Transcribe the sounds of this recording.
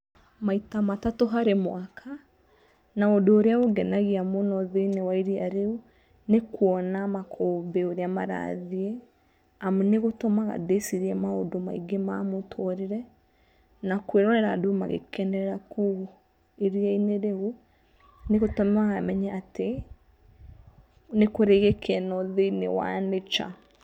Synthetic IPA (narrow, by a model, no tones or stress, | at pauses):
maitamatatoɦaɾemwakʰa | naodoːɾeaɣoɡɛnaɣiamonɔðenewaiɾiaɾeu | nekwɔnamakʰɔːmbeoɾeamaɾa̰ðie | amuneɣotɔmaɣa̰desiɾiɛmaodoma̰iɡema̰motʰɔɾiɾɛ | nakweɾɔnɛɾadoma̰ɣḛkɛndɛɾɛɾaku | eɾiaineɾeu | neɣotɔmɛwaɣamɛɲɛate | nekoɾeɣekʰɛnɔðeinḛwa̰net͡ʃa̰